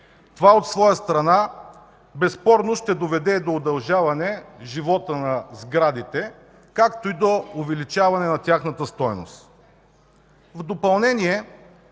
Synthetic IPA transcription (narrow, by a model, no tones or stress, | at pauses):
t̪ovaot̪svɔjəst̪ɾɐna | bɛspɔɾnoʃt̪ɛd̪ovɛd̪ɛd̪oːd̪ɐlˠʒavɐnɛʒivɔt̪ənɐzɡɾad̪it̪ɛ | kakt̪oid̪oʊvɛlit͡ʃavɐnɛnɐt̪ʲaxnət̪əst̪ɔjno̰st̪ | vd̪opɐlˠnɛniɛ